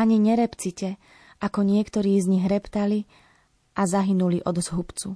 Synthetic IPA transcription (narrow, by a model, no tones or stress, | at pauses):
aɲiɲɛɾɛpt͡sicɛ | ʔakɔɲɪɛkt̪ɔɾiːzɲiɣɾɛpt̪ali | ʔazaɦinuliʔɔd̪zɦupt͡su